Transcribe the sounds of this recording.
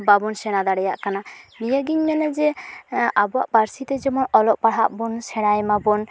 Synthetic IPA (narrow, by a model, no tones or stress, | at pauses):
babɔnsɛɽ̃ad̪aɽɛjaʔkananijəɡiɲmɛnɛd͡ʒɛ | abɔwa̰ʔpaɾsit̪ɛd͡ʒɛmɔnɔlɔʔpaɽɦaʔbɔnsɛɽ̃ajmabɔn